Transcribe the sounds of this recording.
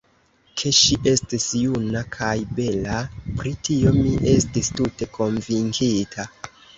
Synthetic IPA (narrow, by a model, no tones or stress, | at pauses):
kʰe̞ʃiʔe̞stisjunakʰajbe̞lapɾitio̞miʔe̞stistute̞kʰo̞ɱviŋkʰitʰa